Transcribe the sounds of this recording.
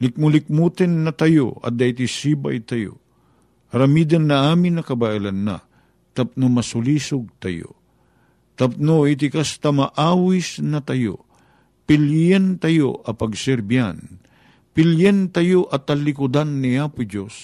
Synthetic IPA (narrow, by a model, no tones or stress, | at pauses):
lɪk̚mʊlɪk̚mut̪ɛnːɐt̪ɐjo̰ɐ̰d̪ɐit̪isiːba̰jt̪ɐjo̰ | ɐɾɐmiːd̪anːɐaːmɪnːɐkɐbaʔilanːa̰ | t̪ɐp̚nomɐsʊliːsʊɡ̚t̪ɐ̰jo̰ | t̪ɐp̚noit̪̬ɪkast̪amɐʔaːwisnɐt̪ɐjo̰ | pɪljɛnt̪ɐjo̰ʔɐpɐɡsɛɾbia̰n | pɪljɛnt̪ɐjoʔɐt̪ɐlɪkʊd̪anːiaːpʊd͡ʒos